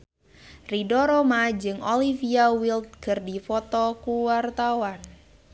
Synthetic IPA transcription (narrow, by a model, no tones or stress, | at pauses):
ridɔɾɔmad͡ʒɨŋɔlifiawilt̪̚kɨrdifɔt̪ɔkuwart̪awan